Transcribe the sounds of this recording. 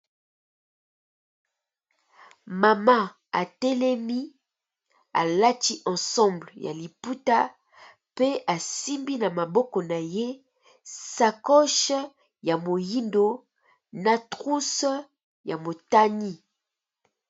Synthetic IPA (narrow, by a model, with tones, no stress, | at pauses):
ma˨ma˦ | a˨tɛ˦lɛ˦mi˦ | a̰˨la˦ti˦ʔɑ̃˨sɑ̃˦blja̰˨li˨pu˦ta˦ | pe˦a˨si˦mbi˦na˨ma˨bɔ˦kɔ˨na˨je˦ | sa˨kɔ˦ʃ | ja˨mo˨ji˦ndo˦ | na˨tʁu˦s | ja˨mo˨ta˦ni˦